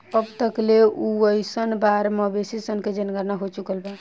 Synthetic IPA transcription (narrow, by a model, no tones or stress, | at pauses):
əbt̪əkleuəjsənbaɾmɔbesisənked͡ʒənɡəɾnaɦot͡ʃukəlba